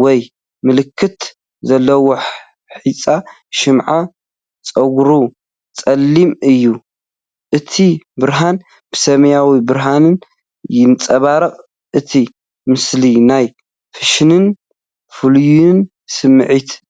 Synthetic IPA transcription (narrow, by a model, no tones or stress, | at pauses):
wɔj | mɨlɨkʰːɨt̪ | zɐlːɐwo | ħit͡sʼa | ʃɪmʕa | t͡sʼɐɡɾu | t͡sʼɐlːimɨjːu | ʔɨt̪ʰibɨɾɦan | b̥ɨsɐmjawibɨɾɦanɨn | jɪnt͡sʼɐβaɾɐχʼ | ʔɨt̪ʰi | mɨslinaj | fɨʃnɨn | fɨlujun | sɨmːɨʕit̪